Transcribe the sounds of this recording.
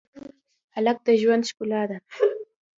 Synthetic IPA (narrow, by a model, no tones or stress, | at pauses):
alak̚t̪aʒwanʃkʊlaːd̪a